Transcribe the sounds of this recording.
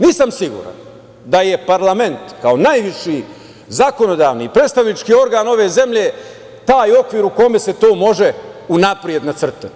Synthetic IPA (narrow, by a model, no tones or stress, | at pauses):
niːsamsiɡṵːɾa̰n | d̪aje̞paɾlˠame̞nt̪kao̞najʋiʃi | zako̞no̞d̪aːʋnipɾe̞t̪st̪aʋnit͡ʃkiːo̞ɾɡaːno̞ʋe̞ːze̞mʎe̞ː | t̪aːjo̞kʋiːɾuko̞me̞se̞t̪o̞ːmo̞ʒe̞unapɾie̞d̪nat̪sr̩t̪at̪